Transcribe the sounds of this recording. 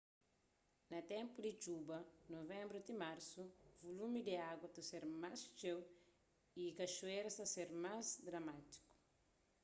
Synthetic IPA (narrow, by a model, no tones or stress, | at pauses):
nɐt̪ɛ̃mpud̪it͡ʃubɐnovɛ̃mbɾut̪imaɾsuvolumid̪eaɡwɐt̪ɐseɾmast͡ʃew | ikɐʃueɾsɐseɾmazd̪ɾɐmat̪i̥ku̥